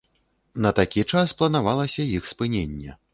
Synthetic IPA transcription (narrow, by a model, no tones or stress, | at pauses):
nɐt̪akʲit͡ʂasplˠɐnavalˠɐsʲɐjixspɨnʲenʲːɛ̰